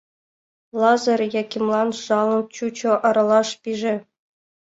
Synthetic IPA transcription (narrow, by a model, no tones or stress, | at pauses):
lˠɑzɤrʲjɑkʲimlˠɑnʂɑlˠɤ̆nt͡ɕut͡ɕŏʔɑɾɑlˠɑʂpʲiʐɘ̆